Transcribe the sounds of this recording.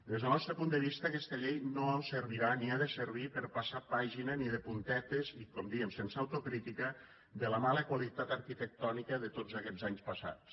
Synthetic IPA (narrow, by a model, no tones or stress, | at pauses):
d̪ezðəlˠnɔst̪ɾəpund̪əβ̞ist̪əːkɛst̪əʎejnoəsəɾβiɾaniaðəsəɾβ̞ipəɾpasapaʒinəniðəpunt̪ɛt̪ezikɔmd̪iəmsensawt̪okɾit̪ikə | d̪ələmaləkwalit̪at̪əɾkit̪ək̚t̪ɔnikəðət̪od͡zakɛzaɲspəsa̰t͡s